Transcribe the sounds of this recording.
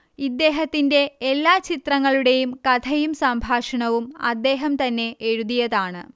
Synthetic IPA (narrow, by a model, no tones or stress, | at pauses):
id̪ːe̞ːɦɐt̪ːinde̞ːlːaːt͡ɕit̪rɐŋːɐɭuɽe̞jumkɐt̪ʰɐjumsɐmbʱaːʂɐɳɐʋumɐd̪ːe̞ːɦɐmt̪ɐnːe̞ʔːɻuðijɐðaːɳɨ̰